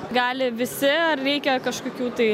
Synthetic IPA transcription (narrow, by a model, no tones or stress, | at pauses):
ɡɑːlʲɪʋʲɪsʲɪɐrɾʲɛɪkʲɛkɐʃkokʲuːt̪ɐɪ